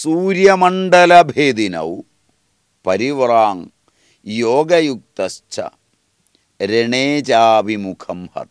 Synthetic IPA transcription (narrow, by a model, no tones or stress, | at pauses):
suːɾjɐmɐɳɖɐlɐbʱeːd̪inɐ̰w | pɐɾiʋraːŋ | joːɡɐjuk̚t̪ɐst͡ʃʰɐ̰ | ɾeɳeːt͡ɕaːbimukʰɐmhɐ̰t̪